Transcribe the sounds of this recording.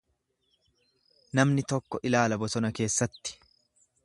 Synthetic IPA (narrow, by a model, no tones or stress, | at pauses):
nɐmnɪt̪ɔkːɔʔɪlaːlɐbɔsɔnɐke̞ːsːɐt̪ːɪ̥